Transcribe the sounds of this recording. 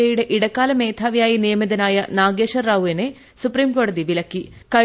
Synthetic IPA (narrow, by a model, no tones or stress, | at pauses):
ejuɽe̞ʔiɽɐkːaːlɐmeːt̪ʰaːʋijaːjinijɐmid̪ɐnaːjɐnaːɡeːʃɐɾːaːʋuene | supɾiːmkoːɽɐðiʋilɐkːikɐ